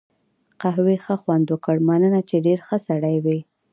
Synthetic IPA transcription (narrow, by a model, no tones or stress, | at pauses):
qaɦwexəxwand̪okəɽmanənat͡ʃeɖeɾxəsaɽajwi